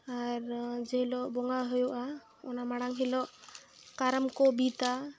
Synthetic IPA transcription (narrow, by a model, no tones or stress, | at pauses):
aɾd͡ʒɛɦilɔʔbɔŋɡaɦojuʔa | ɔ̰namaɽaŋɦilɔʔkaɾəmkɔbit̪a